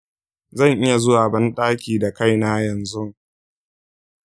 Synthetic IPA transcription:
zɐ˦˨ŋʔɪ˦ja˨zʊ˦waː˨bɐ˦nɗʼaː˦kʲiː˨da˨ka˦˨jnaː˦jɐ˨nzʊ˦

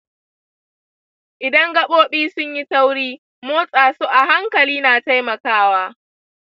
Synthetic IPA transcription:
ʔɪ˨dɐ˦ŋɡɐ˦ɓoː˦ɓiː˦sʊ˦ɲji˦sa˦wɽiː˦ | moː˦sʼaː˨su˦ʔa˨ɦa˦ŋkɐ˨liː˦naː˨ta˦jmɐ˨kaː˦waː˦

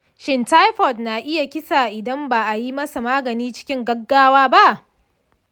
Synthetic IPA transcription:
ʃɪ˨nta˦jɸɔ˨tna˨ʔɪ˦ja˨kʲɪ˦sa˨ʔɪ˨dɐ˦mba˨ʔa˨ji˦mɐ˦sa˨maː˦ɡɐ˨niː˦t͡ʃɪ̥˦kʲɪ˦ŋɡɐ˦ɡːaː˦waː˦ba˦ʔ

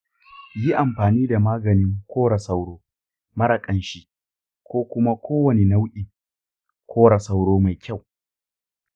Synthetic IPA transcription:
ji˦ʔa˨mɸaː˨niː˦da˨maː˦ɡɐ˨nɪ˦ŋkʷʰoː˦ɽa˨sa˦wɽoː˦ | mɐ˦ɽɐ˨kʼɐ˦nʃi˦ʔ | kʷoː˦kʷʊ˦ma˦kʷoː˦wɐ˨ne˨na˦wʔʲʼɪ˨ŋ | kʷʰoː˦ɽa˨sa˦wɽoː˦ma˨jkʲa˦˨w

